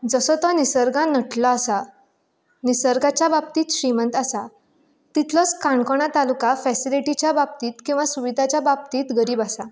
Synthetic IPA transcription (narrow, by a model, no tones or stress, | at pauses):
d͡zəsɔt̪ɔnisəɾɡãnəʈʰlɔasa | nisəɾɡat͡ɕjabab̚t̪iːt̪ɕɾimənt̪asa | t̪it̪lɔt͡skãɳkɔɳ̃at̪alukafɛsiliʈit͡ɕjabab̚t̪iːt̪kĩw̃ʋasuʋid̪ʱat͡ɕjabab̚t̪iːt̪ɡəɾiːbasa